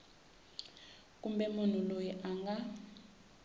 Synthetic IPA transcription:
k̬ʼumbɛmun̤ulojiʔaŋɡa

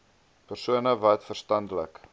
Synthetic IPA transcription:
pərsuənəvɐtfərstɐndələ̰k

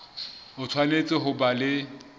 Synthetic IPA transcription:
ʊt͡sʰwanet͡sʼɪɦʊbalɪ

